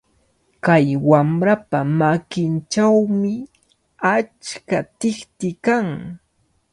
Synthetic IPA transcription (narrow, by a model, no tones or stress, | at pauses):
kajwamɾapamakɪnt͡ʃawmɪ | at͡ʃkat̪ɪχt̪ɪkaŋ